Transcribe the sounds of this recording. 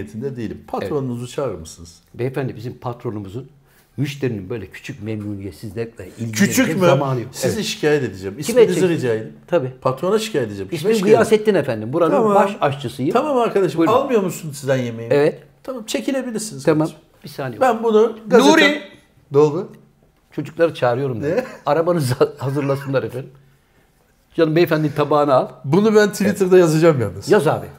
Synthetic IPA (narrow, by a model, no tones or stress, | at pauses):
et̪ʰind̪ɛd̪ejilʲimpʰat̪ɾonumuzut͡ʃʰaːɾɯmɯsɯnɯz̥vɛefænd̪ibizimpʰat̪ɾo̞numuzun | myʃt̪ʰeɾininbø̞jlʲɛcʰy̥t͡ʃʰyc̚memnuːnʲijɛsizlʲɛlʲɛilʲʰyt͡ʃʰymeamaːnɯjokseiziʃi̥cʰaːjɛt̪e̞d̪id͡ʒɛmisʰimeniziɾid͡ʒajd̪it̪ʰabiːpʰat̪ɾonaʃi̥cʰaːjed̪ed͡ʒɛmisiɡɯjasɛt̪ːinefænd̪imbuɾanɯnmbaʃaʃt͡ʃʰɯsɯjɯamamaɾkad̪aʃɯmalˠmɯjo̞ɾmusunsizd̪ænjemejiɛvɛt̪t̪ʰamamt͡ʃʰe̞cʰilʲe̞bilʲiɾsinizt̪ʰama | bisaːnebænbunuɡad̪uɾi | d̪olˠʊ | t͡ʃʰo̞d͡ʒuklˠaɾɯt͡ʃʰaːɾɯjo̞ɾumd̪aɾabanɯzhazɯɾlˠasɯnlˠaɾefænim | d͡ʒanɯmbiefænd̪imt̪ʰabaːnaalˠbunubænt̪ʰivit̪ʰɯɾd̪ajazad͡ʒamja̰lˠːɯzjazaːbi